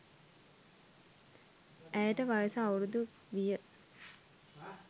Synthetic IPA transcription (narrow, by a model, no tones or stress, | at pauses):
æjəʈəʋajəsəawuɾud̪u | ʋijə